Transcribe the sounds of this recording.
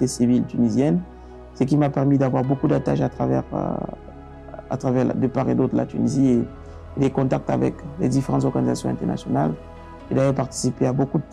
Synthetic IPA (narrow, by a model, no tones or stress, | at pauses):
t̪esivilt̪ynizjɛn | sək̬ʲimapɛʁmid̪avwaʁbokud̪at̪aʃat̪χavɛ̰ʁ̰ | a̰t̪χavɛʁ̰d̪əpaʁed̪ot̪χəla̰t̪ynizie | ed̪ekɔ̃t̪ak̚t̪a̰vɛ̰kled̪ifeʁɑ̃t̪zɔʁɡanizasjɔ̃ɛ̃t̪ɛʁna̰sjɔnal | ed̪avɛpaʁt̪i̥sipeabokud̪